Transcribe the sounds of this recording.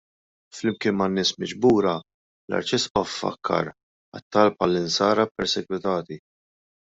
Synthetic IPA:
flɪmkɪːnmɐnːɪːsmɪd͡ʒbuːɾɐ | lɐ̰ɾt͡ʃɪspɐfːɐ̰kʰːɐ̰ɾ | ɐ̰t̪ːɐlpɐlːɪnsɐːɾɐpɛɾsɛɡwɪt̪ɐːt̪i

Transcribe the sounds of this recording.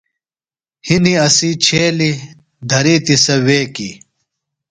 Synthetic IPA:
hiniɐsit͡ɕʰeːli | d̪ʱɐɾiːt̪isɐweːkḭ

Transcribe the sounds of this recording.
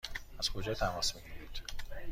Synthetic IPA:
æz̥kʰo̞d͡ʒɒːt̪ʰæmɒːsmihibiːd̪̥

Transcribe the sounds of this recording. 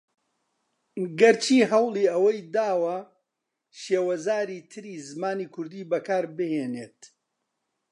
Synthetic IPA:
ɡɐɾt͡ʃʰiːɦɐwlˠiːɐwɐjd̪aːwɐ | ʃeːwɐzaːɾiːt̪ʰɨɾiːzɨmaːniːkʰʊɾd̪iːbɐkʰaːɾbɨheːneːt̪

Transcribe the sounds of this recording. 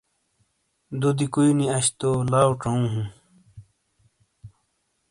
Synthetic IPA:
d̪ud̪ikuiniɐɕt̪olaːwʈ͡ʂoũːɦũ

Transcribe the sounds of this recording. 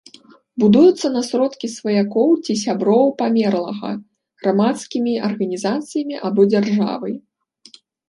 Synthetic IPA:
bud̪ujut̪sːɐnɐsɾɔt̪kʲisvɐjakɔwt͡sʲis̬ʲabɾɔwpamʲɛrlˠɐɣɐ̰ | ɣɾamat̪skʲimʲiɐrɣɐnʲizat̪sɨjɐmʲiʔabɔd͡zʲarʐa̰vɐj

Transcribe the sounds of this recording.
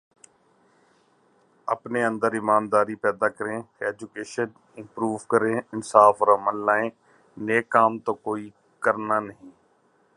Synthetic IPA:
ə̰pneːə̃nd̪əɾɪmaːnd̪aːɾiːpɛːd̪aːkəɾẽːeɛːd͡ʒʊkeːʃən | ɪ̃mpɾuːʋkəɾẽːɪnsaːfɔːɾəməlːaːẽː | neːkːaːmt̪oːkoːiː | kəɾnaːnəɦĩː

